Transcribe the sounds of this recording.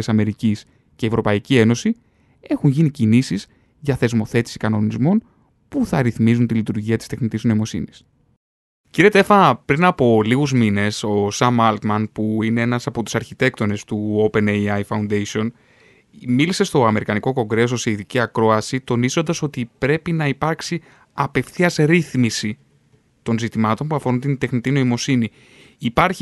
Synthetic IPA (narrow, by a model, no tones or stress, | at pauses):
sɐme̞ɾicis | ceevɾo̞pɐicie̞no̞si | e̞xunʝinicinisiz | ʝɐθe̞zmo̞θe̞t̪i̥si̥kɐno̞nizmo̞n | puθɐɾiθmizunt̪ilit̪uɾʝiɐt̪ist̪e̞xnit̪izno̞imo̞sḭnis | ciɾet̪efɐpɾinɐpo̞liɣuzmine̞so̞sɐmɐlt̪mɐnpuine̞enɐsɐpo̞t̪u̥sɐɾçit̪e̞k̚t̪o̞ne̞st̪uo̞pe̞nejɐjfɐund̪esio̞n | milise̞st̪o̞ɐme̞ɾikɐniko̞ko̞ŋɡɾe̞s̬o̞seiðiciɐkɾo̞ɐsit̪o̞nizo̞nd̪ɐso̞t̪ipɾe̞pinɐipɐɾksi | ɐpe̞fθiɐzɾiθmisi | t̪o̞nzit̪imɐt̪o̞npuɐfo̞ɾunt̪ind̪e̞xnit̪ino̞imo̞siniː | pɐɾç